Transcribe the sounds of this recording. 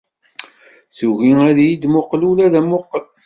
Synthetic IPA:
θuʝiæðjid̪mʊqlulæðæmʊqːəl

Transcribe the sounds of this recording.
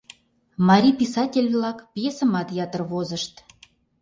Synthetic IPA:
mɑɾʲipisɑtʲelʲβlˠɑkpjesə̆mɑt̪jɑt̪ərβozəʃt̪

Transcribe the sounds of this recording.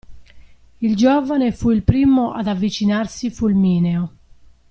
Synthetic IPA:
ild͡ʒɔːvanefuilpɾiːmoʔa̰d̪avːit͡ʃinarsifulmiːneo

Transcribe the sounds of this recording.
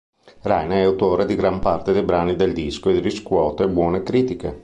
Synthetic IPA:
rɛjneɛawt̪oːɾed̪iɡɾampart̪ed̪ejbɾaːnid̪eld̪iskoed̪iɾiskwɔːt̪oebwɔːnekɾiːt̪ike

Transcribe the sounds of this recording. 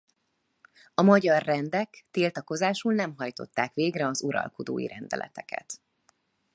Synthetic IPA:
ɒmɒɟɒrːɛnd̪ɛkt̪iːlt̪ɒko̞zaːʃulnɛmɦɒjt̪o̞t̪ːaːkʋeːɡrɛɒzuɾɒ̰lko̞d̪o̰ːjḭɾʔɛnd̪ɛ̰lʔɛ̰t̪ɛkʰɛ̰t̪

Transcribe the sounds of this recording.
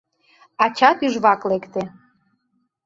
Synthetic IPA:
ɑt͡ɕɑt̪yʒβɑklekt̪e

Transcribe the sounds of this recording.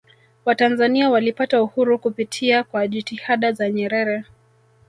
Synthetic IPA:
watanzaniawalipatauhuɾukupitʰiakwaʄitihaɗazaɲɛɾɛɾɛ

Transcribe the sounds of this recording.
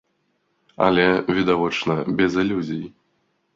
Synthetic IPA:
ɐ̰lʲɛvʲid̪avɔt͡ʂnɐbʲɛzɨlʲuzʲiji

